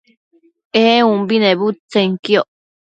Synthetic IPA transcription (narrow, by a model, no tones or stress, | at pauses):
eũmbinebut͡seŋkioʔ